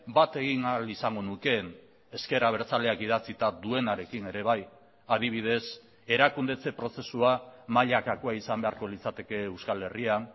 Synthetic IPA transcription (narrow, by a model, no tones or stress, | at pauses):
bat̪e̞ɣinalisaŋɡo̞nuke̞n | e̞ske̞ɾaβ̞e̞ɾt͡sale̞akið̞at͡sit̪aðue̞naɾe̞kine̞ɾe̞β̞aj | að̞iβ̞ið̞e̞s | e̞ɾakund̪e̞t͡se̞pɾo̞se̞suamaʎakakoaisambe̞aɾko̞lit͡sat̪e̞ke̞ewskale̞rian